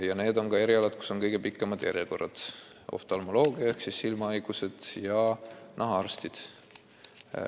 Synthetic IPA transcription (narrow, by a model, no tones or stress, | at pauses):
jɑne̞ːd̪o̞nkɑeɾiɑlɑd̪̥̚ku̥so̞nkɤjɡe̞pikːˑemɑd̪̥jʔæ̰ɾjeko̞rɑd̪̥ | o̰ft̪ɑlmo̞lo̞ːɡ̥iɑeksisːilmɑɑjɡ̥use̞d̪̥jɑnɑɦɑɑrst̪id̪̥